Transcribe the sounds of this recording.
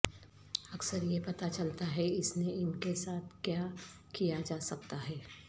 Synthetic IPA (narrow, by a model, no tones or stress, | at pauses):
ɐksəɾjepɐt̪at͡ʃɐlt̪aɦɛɪsneɪnkesaːt̪̚ʰkjaː | kijad͡ʒaːsɐk̚t̪aɦɛː